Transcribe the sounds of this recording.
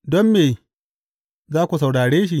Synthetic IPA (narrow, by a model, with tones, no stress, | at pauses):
dɔ˦mːeː˨ | zaː˦kʷu˨sa˨wɽaː˨ɽeː˦ʃ̬i˦